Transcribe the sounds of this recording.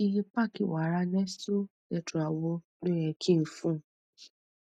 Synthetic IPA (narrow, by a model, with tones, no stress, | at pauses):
i˧ɾi˦pa˦˨kḭ˨wa˨˦ɾa˧˦nɛ˦stu˦ | ɛ˨tũ˨a˨wo˧˦ | do˦ɛ˨kʰi˦˨n̩˨fũ˦˨